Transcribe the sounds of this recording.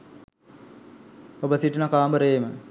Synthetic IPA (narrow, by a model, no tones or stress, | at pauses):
obəsiʈənakaːmbəɾeːmə